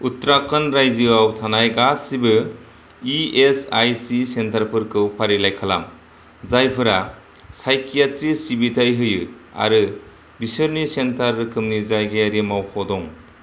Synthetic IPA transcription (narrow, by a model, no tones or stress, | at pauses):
utɾakʰːɯnɾajzɯawtʰanajɡasibɯ | iesajsisentʰaɾpʰɯɾkʰɯwpʰaɾilajkʰala̰m | zajpʰɯɾa | sajkʰijatɾisibitʰajɦɯjɯ | a̰ɾɯ | bisɯɾnisentʰaɾːɯkʰɯmnizajɡeɾimawkʰɔdɔŋ